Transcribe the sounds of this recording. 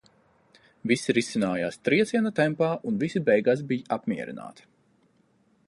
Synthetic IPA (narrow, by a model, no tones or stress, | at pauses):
visiɾisinaːjaːst̪ɾiɛt̪siɛnat̪ɛmpaːʔunvisibɛjɡaːs̬bijapmiɛɾḭna̰ːt̪